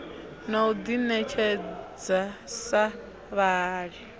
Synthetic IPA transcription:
naud̪inɛt͡ʃʰɛd͡zasa | βaːɺi

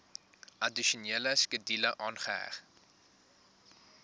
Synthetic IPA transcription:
ʔɐdiʃuniələskədiləʔɑːnχəɦæ̰χ

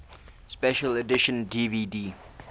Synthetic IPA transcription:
spɛʃələdɪʃə̃ndiːviːdiː

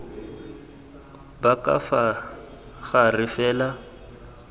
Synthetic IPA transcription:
bakʼa̰fa | ɣarɪfɛːla

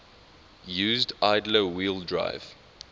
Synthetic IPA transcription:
juːzdaɪdləwiːlˠdɹa̰ɪv̥

